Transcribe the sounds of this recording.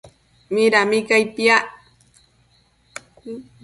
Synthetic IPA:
miɾamɪkajpjaʔ

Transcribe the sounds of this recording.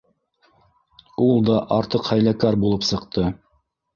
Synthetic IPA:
ulˠd̪ɑʔɑɾt̪ɤqhæjlækæɾbulˠɤpsɤ̆qt̪ɤ

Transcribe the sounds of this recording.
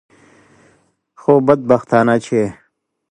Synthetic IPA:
xoːbɐd̪̚bɐxt̪aːnat͡ɕʰe

